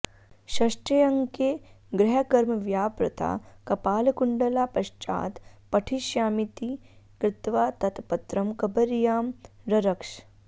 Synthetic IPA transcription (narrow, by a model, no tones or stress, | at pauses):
ɕɐʂʈɐjɐŋke | ɡɾɐɦəkɐɾmɐʋjaːpɾɐ̰t̪ʰa̰ːkɐpaːlkuɳɖəlapɐɕt͡ʃa̰ːt̪pɐʈʰiʃjaːmit̪iːkɾɪt̪ʋaːt̪ɐt̪pɐt̪ɾɐmkɐbəɾjaːmɾɐɾɐkʂ